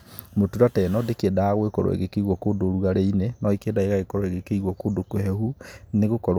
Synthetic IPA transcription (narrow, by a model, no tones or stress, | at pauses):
motuɾatɛːnɔdekendaaɣwekɔɾo̰ḛɣekeiɣwɔkoːndoːɾuɣaɾeinenɔikeːndaeɣaɣekɔɾoeɣekeiɣwɔkoːndokoɦɛhuneɣokɔɾ